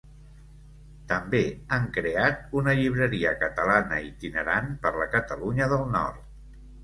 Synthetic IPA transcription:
t̪əmbeaŋkɾeat̪̚unəʎiβ̞ɾəɾiəkət̪əlanə̰it̪inəɾanpəɾləkət̪əluɲəðəlˠnɔ̰ɾt̪

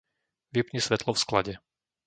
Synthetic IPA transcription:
ʋipɲisʋɛt̪lɔfsklaɟɛ

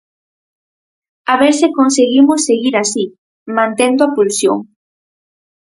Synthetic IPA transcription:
aβeɾsɪkonseɣimʊsːeɣiɾasi | mãnt̪end̪oapulsjo̰ŋ

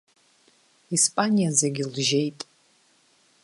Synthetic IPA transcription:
ispʼanijazeɡʲilʒe̞jtʼ

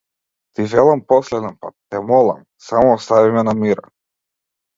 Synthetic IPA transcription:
t̪iʒɛlˠampɔslɛd̪ɛnpa̰t̪ːɛmɔlˠa̰m | samɔːst̪avimɛnamiɾa

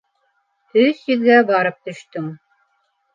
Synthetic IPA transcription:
ɵθjɵ̆ðɡæbɑɾɤp̚t̪ɵ̆ʃt̪ɵŋ

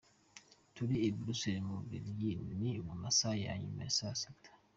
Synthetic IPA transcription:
tuɾiebɾuseɾmuviɾjinnimumasaja̰ɲḭma̰isasḁtʰḁ

